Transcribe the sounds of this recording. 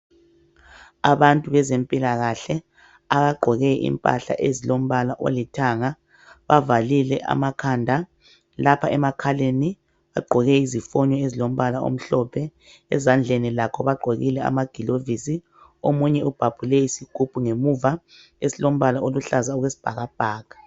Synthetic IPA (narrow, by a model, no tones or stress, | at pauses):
aβantʼuβɛzempʼilaɣaɬɛ | aɣaɡ͡ǃʱɔɣɛʔḭmpʼa̰ɬa̰ʔezilom̩βalaʔo̰litʰaŋa | βavalilɛʔa̰makʰandʱa | lapʰaɛmakʰaleni | βaɡ͡ǃʱɔɣɛizifɔɲɔezilom̩βalao̰m̩ɬɔpʰɛ | ɛ̰zand͡ɮʱenilakʰɔβaɡ͡ǃʱɔɣilɛa̰maɡ̥ʱilovisi | omuɲɛub̥ʱab̥ʱulɛisiɡ̥ʱup̚uŋemuva | ezilom̩βalaoluɬazauɣwesi̥b̥ʱaɣab̥ʱaːkḁ